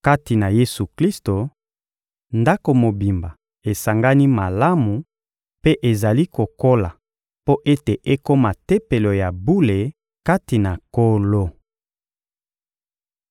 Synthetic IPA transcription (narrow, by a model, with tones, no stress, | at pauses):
ka˦ti˨na˨je˦su˨kli˦sto˨ | nda˦ko˨mo˨bi˨mba˨ | e˨sa˨ŋɡa˦ni˦ma˨la˦mu˨ | pe˦ʔe˨za˨li˦ko˨ko˦la˨ | po˦ʔe˦te˨ʔe˦ko˦ma˨te˦pe˨lo˨ja˨bu˦le˨ | ka˦ti˨na˨ko˦lo˦